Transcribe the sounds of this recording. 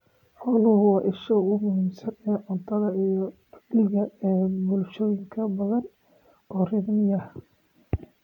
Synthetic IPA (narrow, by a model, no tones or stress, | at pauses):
ħɔːlʊhʊɑʔɪʃɔʊmʊɦiːmsɐnɛːʕʊnt̪ʰɐðɐijɔ | dɪɣɐɛːbʊlʃɔːjɪŋkʰɐbɐðɐn | ʔɔːrɪd̪mɪjɐh